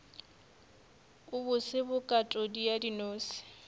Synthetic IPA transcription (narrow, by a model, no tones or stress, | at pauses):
ʊbʊsɪbʊkʼatʼɔdijadinoːsɪ̥